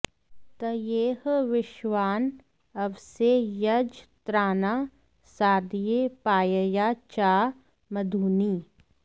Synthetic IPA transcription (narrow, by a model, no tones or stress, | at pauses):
t̪ɐjeːɦʋɪʃʋaːn | ɐʋsejɐd͡ʒt̪ɾaːnaː | saːd̪ijepaːjəjaːt͡ʃaː | mɐd̪ʱuːniː